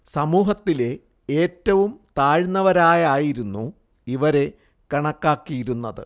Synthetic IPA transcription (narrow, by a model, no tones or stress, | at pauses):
sɐmuːɦɐt̪ːile̞ | eːtːɐʋumt̪aːɻnːɐʋɐɾaːjaːjiɾunːu | iʋɐɾe̞ | kɐɳɐkːaːkːijiɾunːɐðɨ̰